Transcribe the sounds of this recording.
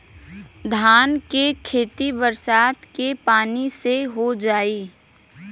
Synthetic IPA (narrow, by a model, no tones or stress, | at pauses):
d̪ʱaːnkekʰeːt̪ibəɾsaːt̪kepaːniseɦod͡ʒaːiː